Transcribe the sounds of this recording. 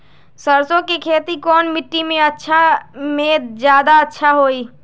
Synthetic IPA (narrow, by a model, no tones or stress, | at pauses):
səɾsõkekʰeːt̪ikɔːnmɪʈːimẽətːʃʰamẽd͡ʒjaːd̪aətːʃʰaɦoːi